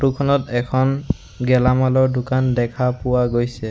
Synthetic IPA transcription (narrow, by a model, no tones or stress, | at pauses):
tukʰɔnɔtɛkʰɔn | ɡɛlamalɔɹdʊkandɛkʰapʊwaɡojsɛ